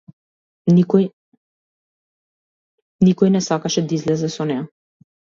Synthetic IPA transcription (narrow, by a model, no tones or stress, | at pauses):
nikɔj | nikɔjnɛsakaʃɛd̪aizlɛzɛsɔnɛja